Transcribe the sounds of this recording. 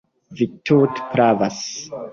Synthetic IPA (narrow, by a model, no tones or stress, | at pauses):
vitʰutpɾavas